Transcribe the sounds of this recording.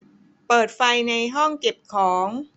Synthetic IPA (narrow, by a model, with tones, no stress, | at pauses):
pɤː˨˩t̪̚fa˧jna˧jɦɔ˥˩ŋke˨˩p̚kʰɔː˩˦ŋ